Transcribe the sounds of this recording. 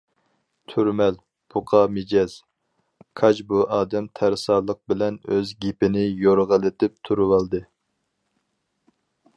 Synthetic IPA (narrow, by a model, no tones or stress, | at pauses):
t̪ʰyɾmɛl | b̥uqʰɑmed͡ʒɛz̥ | kʰɑt͡ʃbuʔɑːd̪ɛmt̪ʰæɾsɑːlˠəq̚bɪlɛnøzɡʲepɪnɪjoɾʁəlˠɪt̪ɪp̚t̪ʰuɾɨwɑlˠd̪ɨ